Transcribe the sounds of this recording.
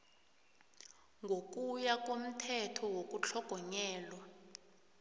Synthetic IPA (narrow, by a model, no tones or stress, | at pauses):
ŋɡʱok̬ʼujak̬ʼom̩tʰɛtʰɔwok̬ʼut͡ɬʰɔɡ̥ʱɔɲɛːlwa